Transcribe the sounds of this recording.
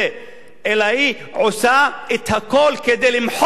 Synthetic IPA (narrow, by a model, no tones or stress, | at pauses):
e | elai | ʕʊsaɪt̪hakoːlked̪elimħ